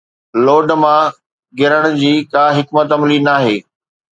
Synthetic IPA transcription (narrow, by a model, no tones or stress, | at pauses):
loːɖmã | ɡɪɾəɽ̃ʊ̆d͡ʑiːkaːɦɪkmət̪ɐmlinaːɦeː